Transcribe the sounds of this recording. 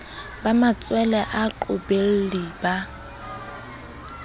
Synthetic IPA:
bamat͡sʼwɛlɛʔaǃʊbel̩liba

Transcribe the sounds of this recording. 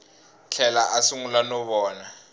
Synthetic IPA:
t͡ɬʰɛlaʔasuŋulanɔɓɔːna

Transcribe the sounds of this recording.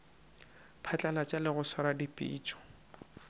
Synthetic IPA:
pʰat͡ɬʼalat͡ʃʼalɪɣʊswaɾadipʼḭːt͡ʃʼɔ̥

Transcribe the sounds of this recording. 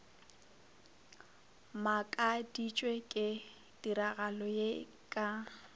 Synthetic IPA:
makʼadit͡ʃʼwekʼɪ | dʼiɾaɣalɔje | kʼa

